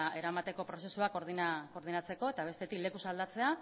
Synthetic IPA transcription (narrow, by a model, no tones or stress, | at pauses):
e̞ɾamat̪e̞ko̞pɾo̞se̞suakoɾðinko̞ɾð̞inat͡se̞ko̞et̪aβ̞e̞st̪e̞t̪ikle̞kusald̪at͡se̞a